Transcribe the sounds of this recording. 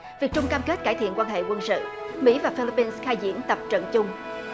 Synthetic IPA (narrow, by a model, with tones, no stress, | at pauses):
vi˨˩ək̚t͡ɕʊ˧ŋ͡mkaː˧mke˦˥t̚kaː˧˩jt̪ʰḭ˧˨ənkwaː˧nɦḛ˧˨kwə˧nsɨ̰˧˨ | mḭ˧˥vaː˨˩fi˧li˧pːi˧nsxaː˧jzḭ˧˥ənt̪ə˨˩p̚t͡ɕə̰˧˨nt͡ɕʊ˧ŋ͡m